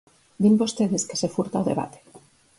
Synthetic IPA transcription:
d̪imbost̪eðeskesefuɾt̪aoðeβa̰t̪e̥

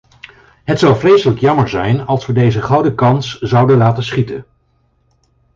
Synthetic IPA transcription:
ɦətsʌwvrejsələkjɑməɹzɛjnɑlˠsʋədejzəχɑwdəkɑnszɑwdəlaːtənsχitən

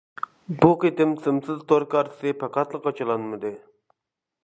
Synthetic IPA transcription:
buqit̪ɪmsɨmsɨzt̪ʰoɾkɑɾt̪ʰɨ̥sɨpʰɑqɑt̪lˠəqɑt͡ʃʰɑlˠɑnmɨd̪ɨ

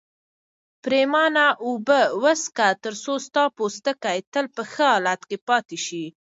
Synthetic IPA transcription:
pɾemɑnaʔubəwəskat̪əɾsost̪ɑpost̪əkajt̪əlpəxəɦɑlat̪kepɑt̪eʃi

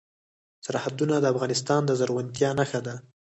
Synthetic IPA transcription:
saɾhad̪unad̪əafɣɑnɪst̪ɑnd̪əzaɾɣʊnt̪jɑnaxad̪a

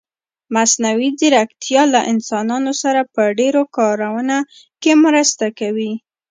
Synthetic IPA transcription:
masnawizəɾakt̪jɑlaʔɪnsɑnɑnosaɾapəɖeɾokɑɾawəna | kemɾəst̪akawi

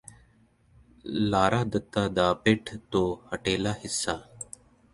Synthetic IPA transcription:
laːɾaːd̪ət̪ːaːd̪aːpeːʈʰt̪õːhəʈeːlaːhɪsːaː

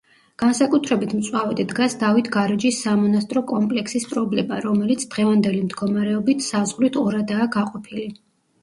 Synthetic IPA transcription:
ɡ̥ansakʼut̪ʰɾɛbit̪ʰmt̪sʼwavɛd̪id̪ɡasd̪avit̪ʰɡaɾɛd͡ʒisːamɔnast̪ʼɾɔkʼɔmpʼlɛksispʼɾɔblɛmaɾɔmɛlit̪sʰd̪ʁɛvand̪ɛlimd̪ɡɔmaɾɛɔbit̪ʰsazʁlit̪ʰɔɾad̪aːɡaqʼɔpʰili

